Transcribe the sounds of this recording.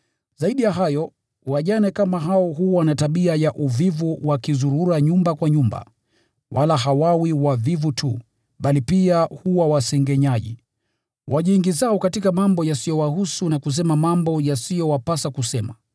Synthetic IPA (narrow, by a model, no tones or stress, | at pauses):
z̥aiɗijaɦajɔ | waʄanɛkamaɦaɔɦuwanataɓiajaʔuvivuwakizuɾuɾaɲumbakwaɲumba̰ | wʔalaɦawawiwavivutʰu | ɓalipiahuwawasɛŋɡɛɲaʄḭ | waʄiŋɡizaɔkatikamambɔjasijɔwahusunakus̬ɛmamambɔjasijɔwapasakusɛma